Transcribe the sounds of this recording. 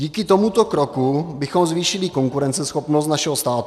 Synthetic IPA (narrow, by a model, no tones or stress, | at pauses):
iːkɪt̪omut̪o̞kɾokubɪxo̞mzviːʃɪlɪko̞ŋkuɾɛnt͡sɛsxopnost̪naʃɛɦost̪aːt̪